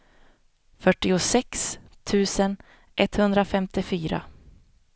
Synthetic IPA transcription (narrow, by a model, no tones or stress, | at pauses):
fœʈːɪʊsɛks | t̪ʰʉ̟ːsən | ʔɛt̪hɵnd̪ɾafɛmt̪ɪfyːɾa̰